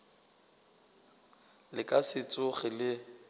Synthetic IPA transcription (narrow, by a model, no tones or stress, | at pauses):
lɪkʼasɪt͡sʼʊɣɪlɪ